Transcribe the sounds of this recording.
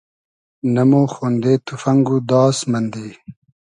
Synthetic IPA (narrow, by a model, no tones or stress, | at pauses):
nɐmoxond̪et̪ufɐŋɡud̪ɑːsmɐnd̪i